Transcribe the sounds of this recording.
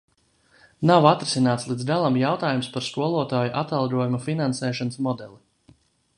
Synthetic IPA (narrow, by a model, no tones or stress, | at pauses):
nawat̪ɾesinaːt̪slˠid̪zɡalˠamjawt̪aːjumspaɾskuɔlˠuɔt̪aːjuʔat̪alˠɡuɔjumafinansɛːʃɔnəsmɔd̪ɛlˠi